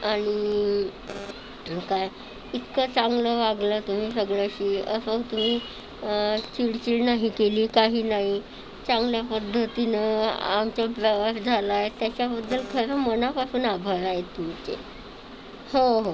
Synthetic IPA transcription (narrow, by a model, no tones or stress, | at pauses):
aɽ̃i | kaj | it̪kət͡saŋɡləʋaɡlət̪um̤iːsəɡɭəɕiːə̰sət̪um̤iː | t͡ɕiɽt͡ɕiːɭnaɦikeliːkaɦiːnaɦi | t͡saŋɡljapəd̪ʱːət̪inəamt͡ɕapɾəʋasd͡zʱalaet̪jat͡ɕjabəd̪ːəlkʰəɾəmənapasuːnabʱəɾajet̪ːumt͡ɕḛ | hoɦo